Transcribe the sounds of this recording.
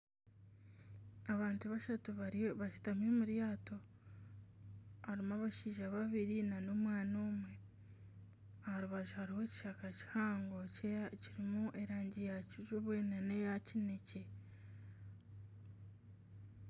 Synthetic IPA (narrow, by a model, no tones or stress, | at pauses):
aβaːntuβaʃatuβaɾβaʃi̥tamemuɾjaːto̞ | haɾimaβaʃiːʒaβaβiɾinano̞mwaːnoːmwe̞ | ahaɾuβaʒuhaɾiho̞ci̥ʃakaci̥haːŋɡoceciɾimuʔe̞ɾaːɲɟijaciʒuβwenanejacine̞ce